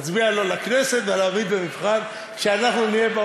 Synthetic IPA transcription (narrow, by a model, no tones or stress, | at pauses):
t͡sbialo̞lakneset̪velavid̪benifχan | kʃeanaχnunijeba